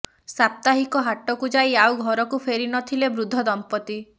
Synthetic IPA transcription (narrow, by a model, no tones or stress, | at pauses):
sap̚t̪aɦikɔɦaʈɔkud͡ʒaiawɡʱɔɾɔkupʰeɾinɔt̪ʰilebɾud̪ʱːɔd̪ɔmpɔt̪i